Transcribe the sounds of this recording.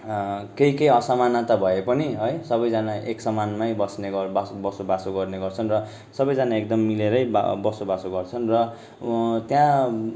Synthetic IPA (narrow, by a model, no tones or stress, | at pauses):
keikejʌsamanat̪ʌbʱʌepʌniɦʌjsʌbʌjd͡zanaeksʌmanmajbʌsneɡʌbabʌsobasoɡʌrneɡʌrt͡sʰʌnrʌ | sʌbʌjd͡zanaek̚d̪ʌmːileɾʌj̰bʌsobasoɡʌrt͡sʰʌnrʌ | t̪jã